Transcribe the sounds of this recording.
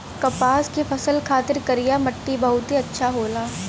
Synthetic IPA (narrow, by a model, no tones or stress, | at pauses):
kɐpaːskefʰɐsəlkʰaːt̪ɪɾkɐɾijamɐʈːibɐɦʊt̪ɦiɐtːʃʰaɦoːlaː